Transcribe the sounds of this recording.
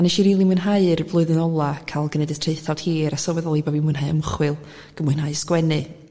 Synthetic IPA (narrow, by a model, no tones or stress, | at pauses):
anɛʃiɾiːlˠimɨnɦaɨrvlˠʊɨðɨnɔlˠakʰalˠɡənɛdə̥tʰr̥eɨθawd̥hiːɾasɔːwɛðɔlˠiboːbimunɦaɨə̰məχwɨlˠ | ɡ̥əmʊɨnɦaɨskwɛnɨ